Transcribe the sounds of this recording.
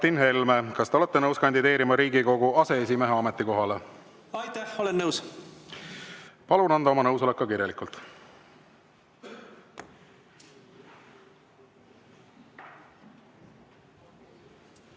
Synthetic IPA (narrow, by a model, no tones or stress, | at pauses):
t̪inɦe̞lmekɑst̪e̞ole̞t̪ːenɤwskɑnʲd̪id̪e̞ːɾimɑɾiːɡiko̞ɡ̥uɑse̞es̬imeɦeɑmet̪ːˑiko̞ɦɑle | ɑjt̪æholenːəws | pɑlunɑnd̪̥ɑo̞mɑnɤwso̞lekːɑkirjɑlikˑult̪ˑ